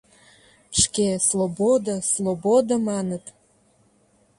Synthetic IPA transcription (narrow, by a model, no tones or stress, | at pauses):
ʃkeslˠobod̪aslˠobod̪amɑnət̪